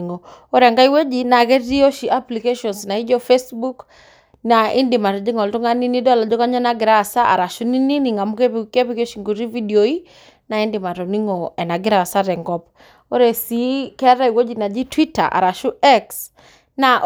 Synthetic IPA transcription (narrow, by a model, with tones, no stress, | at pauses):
ŋo˨o˦ɾɛ˨ŋɡa˦i˦we˦d͡ʒi˨na˨kɛ˦ti˦o˦ʃi˨ʔa˦pli˨ke˦ʃɔ˨nsna˨i˦d͡ʒɔ˦fe˦sbu˦k | na˨i˦ndi˨ma˨tɔ˨d͡ʒi˦ŋɔ˨ltu˦ŋa˦ni˦ni˦dɔ˦la˨d͡ʒɔ˦ka˦ɲɔ˦na˦ɡɪ˨ɾa˦˨sa˦ʔa̰˨ɾa˨ʃu˦ni˦ni˦ni˨ŋa˨mu˦ke˦pke˦pi˦ko˦ʃi˨ŋɡu˨ɾi˦vi˦dioi˦ | na˨i˦ndɪ˨ma˨tɔ˨ni˦ŋo˨ɛ˨na˨ɡɪ˦ɾa˨sa˦ɾɛ˨ŋɡɔ˦p | o˦ɾɛ˨si˨kɛ˦ɾa˦i˨wo˦d͡ʒi˨na˨d͡ʒi˦twi˦ta̰˨ʔa̰˨ɾa˨ʃu˦ɛ˦ks | na˨ʔ